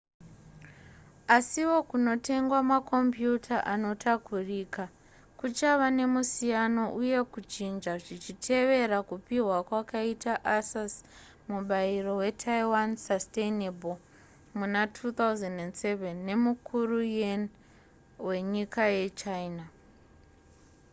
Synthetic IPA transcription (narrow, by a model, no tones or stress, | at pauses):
asiwo̞kuno̞te̞ŋɡwamakʰo̞mpjutʰaʔano̞tʰakurika | kut͡ʃaʋane̞musijano̞ʔuje̞kut͡ʃind͡ʒaʐit͡ʃitʰe̞ʋe̞ɾakupiwakwakaitaʔasas | muɓairo̞we̞tʰajiwansastenebol | munatʰut̪auzendendse̞venːe̞mukʰurujen | we̞ɲikaje̞t͡ʃaina